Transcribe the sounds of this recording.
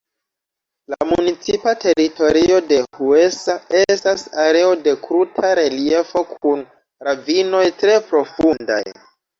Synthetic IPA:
la̰munit͡sipate̞ɾito̞ɾio̞de̞hue̞sae̞stasaɾe̞o̞de̞kɾutʰaɾe̞lie̞fo̞kʰun | ɾavino̞jtɾe̞pɾo̞funda̰j

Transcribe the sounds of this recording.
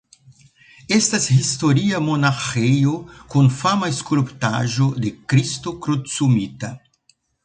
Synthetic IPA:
estashistoɾiamonaxejokunfamaeskulpta̰ʒodekɾistokɾutsumita

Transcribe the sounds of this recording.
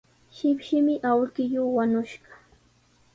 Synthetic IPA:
ʃɪpʃɪmɪʔawkɪjʊːwanʊʃɢɑ̥

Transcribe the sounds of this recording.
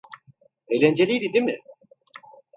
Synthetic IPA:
ejlʲænd͡ʒelʲijɾid̪imɪ

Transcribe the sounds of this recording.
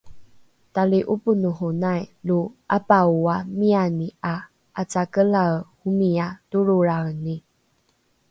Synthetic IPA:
taliʔupunuɦunajluapauamiania | at͡sakəlahumiatuɾuɾani

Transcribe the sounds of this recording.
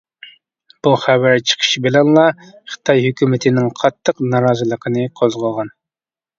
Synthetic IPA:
b̥uχævæɾt͡ʃʰə̥qʰə̥ʃibɪlɛnlˠɑ | χɨ̥t̪ʰɑjɦykʲymɪt̪ʰɪnɪŋqʰɑt̪ʰːəqnɑɾɑːzɨlˠəqʰənɨqʰozʁəlˠʁɑn

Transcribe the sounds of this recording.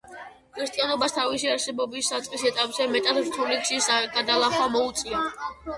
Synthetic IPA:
kʰɾist̪ʼijanɔbast̪ʰavisiaɾsɛbɔbisːat̪sʼqʼisɛt̪ʼapʼzɛmɛt̪ʼad̪ɾt̪ʰulikʃisɡad̪alˠaχwamɔut̪sʼia

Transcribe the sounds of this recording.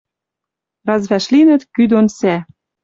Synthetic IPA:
rɑzβæʃlinɘ̆t̪kyd̪onsæ

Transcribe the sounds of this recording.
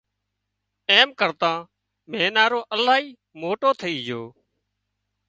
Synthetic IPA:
eːmkəɾt̪ãː | mẽːnaːɾoːʔəlaːiː | moːʈoːt̪ʰəiːɦɪjoː

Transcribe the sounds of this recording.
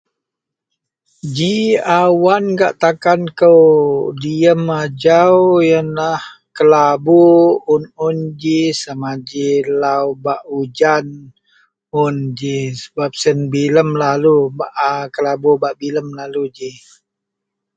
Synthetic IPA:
d͡ʒiawanɡaʔt̪akankəwdiəmad͡ʒawjənlah | kəlaboʊnund͡ʒisamad͡ʒilawbaʔud͡ʒan | und͡ʒisə̥bap̚sənbiləmlalubaʔakəlabobaʔbiləmlalud͡ʒi

